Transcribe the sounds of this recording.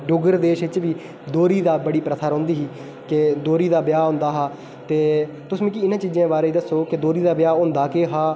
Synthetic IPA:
ɖʊɡəɾd̪eːʃɪt͡ʃʋiː | d̪oːɾiːd̪aːbəɽiːpɾət̪ʰaːɾɦõːnd̪iːɦiː | ked̪oːɾiːd̪aːbjaːɦõːnd̪aːɦaː | t̪eː | t̪ʊsmĩːkiːɪnãːt͡ʃiːd͡ʒãːbaːɾeːiːd̪əsːoːkɪd̪oːɾiːd̪aːbjaːõːnd̪aːkeːɦaː

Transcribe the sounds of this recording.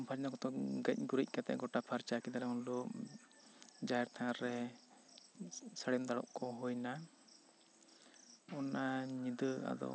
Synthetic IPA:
mpʰad͡ʒnakɔt̪ɔɡəc̚ˀɡuɾic̚kat̪ɛ̰ʔɡɔʈapʰaɾt͡ʃakid̪aɾɛunluʔ | d͡ʒaɛɾt̪ʰãaɾɾɛ | səɽɛmd̪aɽɔ̰ʔkɔɦɔjna | ɔnaɲid̪əa̰d̪ɔ̰

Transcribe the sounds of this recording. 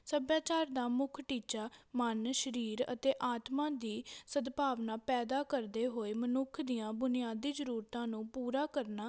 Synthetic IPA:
səbjaːt͡ʃaːɾd̪aːmʊkʰʈiːt͡ʃaːmənʃəɾiːɾə̰t̪eːʔaːt̪mãːd̪iːsəd̪paːʋnaːpɛːd̪aːkəɾd̪eːɦoːeːmənʊkʰd̪ijãːbʊnɪjaːd̪iːzəɾuːɾt̪ãːnũːpuːɾaːkəɾnaː

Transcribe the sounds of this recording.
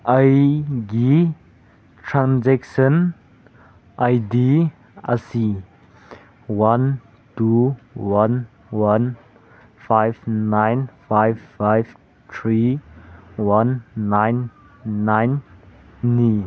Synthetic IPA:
ʔajɡi | tʰɾãnzɛksən | ʔajdi | a̰si | wan | tuwan | wan | fʰajbnajnfajvfajv | t̪ʰɾi | wanːajnː | ajnː | i

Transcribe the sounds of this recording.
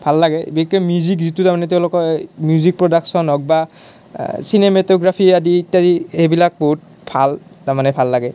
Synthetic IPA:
bʱalːaɡɛbiikːɔmjuzik̬zitutaɹmanɛtɛʊ̃lɔkɔmjuzik̚pɹɔdaksɔnɦɔk̚ba | sinemɛtɔɡɹapʰiaditadiebilak̚boɦut̚ | b̥ʱaltaɹmanɛbʱalːaɡɛ

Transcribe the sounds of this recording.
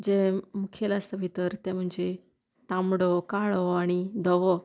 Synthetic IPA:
d͡ʑẽmukʰelast̪əʋʱit̪əɾt̪ẽm̤ũɲd͡ʑe | t̪ãmɽokaɭoaɽ̃id̪ʱɔʋo

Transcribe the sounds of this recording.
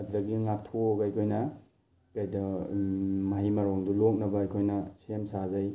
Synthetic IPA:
ɐdulɐɡiŋatʰoɡjkʰojnɐ | kajdɐ | maɦimaɾoŋdulok̚nɐbɐːjkʰojnɐsemsazaj

